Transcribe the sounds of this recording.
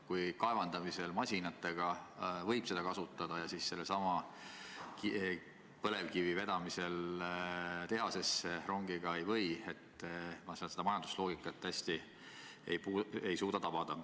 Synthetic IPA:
kujkɑe̞vɑnd̪ɑmise̞lmɑsʲinɑt̪ːˑe̞ɡ̥ɑvɤ̞jb̥se̞d̪̥ɑkɑsut̪ːˑɑd̪̥ɑjɑsisse̞lːesɑmɑ | ki | pɤle̞vkivive̞d̪̥ɑmise̞l | t̪e̞ɦɑse̞sːero̞ŋɡ̥iɡ̥ɑe̞jvɤ̞je̞t̪ˑːmɑselse̞d̪ɑmɑjɑnd̪u̥slo̞ːɡikːˑɑt̪ːæsʲt̪i | ḛjpuːe̞jsuːd̪ɑt̪ɑb̥ɑd̪̥ɑ

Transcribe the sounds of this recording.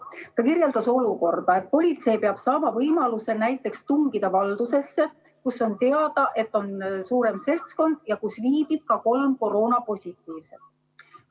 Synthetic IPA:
t̪ɑkirje̞ld̪ɑso̞luko̞rd̪̥ɑe̞t̪̚po̞lʲit̪se̞jpe̞ɑb̥sɑːmɑvɤjmɑluse̞næjt̪ˑːe̞kst̪uŋɡid̪̥ɑvɑld̪̥use̞sːe̞ | kuso̞nt̪e̞ɑd̪̥ɑʔe̞t̪ːˑo̞nsuːɾe̞mse̞lt̪sko̞nd̪̥jɑkusviːbib̥̚kɑko̞lmko̞ro̞ːnɑpo̞sʲit̪ːˑiːvse̞d̪̥

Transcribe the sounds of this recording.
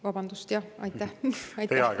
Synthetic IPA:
vɑb̥ɑnd̪̥ust̪jɑʔɑ̰jt̪ːæhɑjt̪eɑ

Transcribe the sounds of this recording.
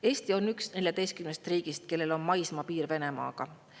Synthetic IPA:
e̞ːst̪io̞nːyksne̞lʲjɑd̪̥e̞jst̪̚kymnest̪riːɡ̥ist̪̚ke̞lːe̞lo̞nmɑjsmɑpiːɾve̞ne̞mɑ̰ːɡ̥ɑ

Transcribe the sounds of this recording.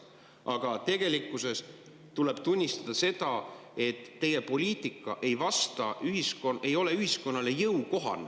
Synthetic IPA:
ʔɑɡ̥ɑt̪e̞ɡ̥e̞likːˑuse̞s | t̪ule̞b̥t̪unʲːist̪ɑd̪̥ɑse̞d̪̥ɑe̞t̪ːe̞jepo̞lʲiːt̪ˑikːˑɑʔe̞jvɑst̪ɑyɦiskonʔe̞jo̞le̞yhisko̞nːɑle̞jɤwko̞ɦɑ̰n

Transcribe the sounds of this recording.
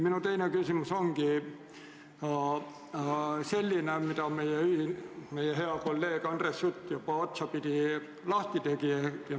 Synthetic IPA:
minut̪einekysymysoŋki | ɑ | selʲːinæmit̪æomeijæyhinmeijæheɑkolːeːkɑnresjut̪ːjopɑot̪sɑpit̪i | lɑht̪it̪ekiæjɑ

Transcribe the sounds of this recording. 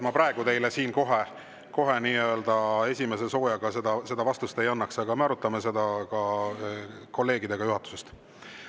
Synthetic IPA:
mɑpɾɑeɡ̥ut̪e̞jlesiːnko̞ɦe̞ | ko̞ɦe̞niːø̞ːld̪ɑe̞sʲime̞s̬e̞so̞ːjɑɡ̥ɑse̞d̪ɑse̞d̪ɑvɑst̪ust̪e̞jɑnːɑksɑɡɑmeɑɾut̪ːˑɑme̞se̞d̪̥ɑkɑ | ko̞lːe̞ːɡid̪e̞ɡɑjuɦɑt̪ːˑu̥se̞st̪

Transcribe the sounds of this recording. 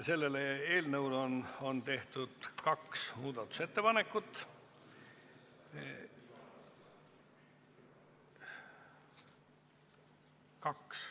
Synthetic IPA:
se̞lːe̞leeːlnɤuwlono̞nt̪e̞ht̪ud̪̥kɑksmuːd̪̥ɑt̪ːˑu̥se̞t̪ːe̞pɑne̞kːˑut̪ːˑ | kɑks

